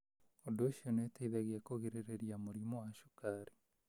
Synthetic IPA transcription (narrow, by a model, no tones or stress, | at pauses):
odooʃionetaiðɛɣeakoɣeɾeɾeɾiamoɾimowaʃu̥kaɾi